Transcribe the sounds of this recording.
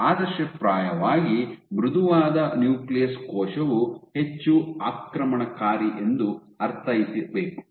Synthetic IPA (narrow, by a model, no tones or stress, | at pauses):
aːd̪ɐʃɐpɾaːjɐʋaːɡibɾud̪ʱuʋaːd̪ɐnjuːklijɐskɔːʃɐʋuhe̞t͡ʃːuaːkɾɐmɐɳɐkaːɾiʔe̞nd̪u | ɐɾt̪ʰɐjisiɾbeːku̥